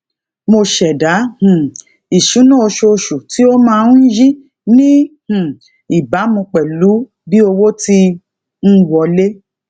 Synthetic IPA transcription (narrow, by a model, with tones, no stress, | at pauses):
mo˧ʃɛ˨da˨˦hũ˨ | i˨ʃũ˨˦nã˦o˧ʃo˧ʃu˨ti˨˦o˦mãː˦˧˨n̩˦ji˦ | nĩ˦hũ˨ | i˨ba˨˦mũ˧k͡pɛ˨lu˨˦ | bi˦o˧wo˦ti˧ | n̩˦wɔ˧le˦